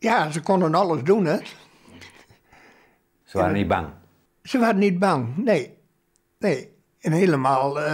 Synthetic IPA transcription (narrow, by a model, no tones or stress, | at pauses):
jaːsəkonənɔlˠəsdunət | səʋa̰ːɾənit̚ba̰ŋ | səʋaːdənit̚baŋneː | neː | ənheləmaːlˠ